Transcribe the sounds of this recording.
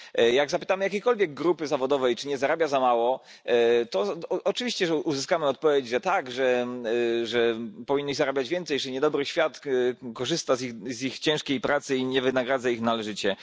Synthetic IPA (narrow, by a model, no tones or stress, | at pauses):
jaɡzapɘ̥t̪amɘjakʲejkɔlvʲjɛɡːɾupɘzavɔd̪ɔvɛjt͡ʂɘɲɛzaɾabʲjazamawɔ | t̪ɔɔt͡ʂɨvʲiɕt͡ɕɛʐɛʔuzɘskamɘɔt̪̚pɔvʲjed͡ʑʐɛt̪aɡʐɛ | ʐɛpɔviɲnːizaɾabʲjad͡ʑvʲjɛnt̪sɛjʐɛɲɛd̪ɔbɾɘɕfʲjat̪kɔʐɘst̪azixzixt͡ɕɛ̃ʂkʲejpɾʔat̪sɘiɲɛvɘnaɡɾad̪zaixnalɛʐɘt͡ɕɛ